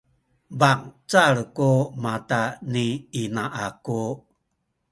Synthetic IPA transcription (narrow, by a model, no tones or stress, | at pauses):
baŋt͡saɭkumataniinaʔaku